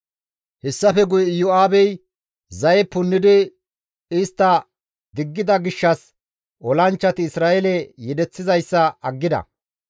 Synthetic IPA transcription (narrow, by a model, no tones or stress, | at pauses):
hɛsːɐfɛɡʊjɛjʊaːbɛj | zɐjɛpʊnːɪd̪ɪ | ɪst̪ːɐ | d̪ɪɡːɪd̪ɐɡɪʃːɐs | ʔɔlɐnt͡ʃːɐt̪ɪːsɾaːʔɛlɛjɛd̪ɛt͡sːɪzɐjsːɐɐɡːɪd̪ɐ̰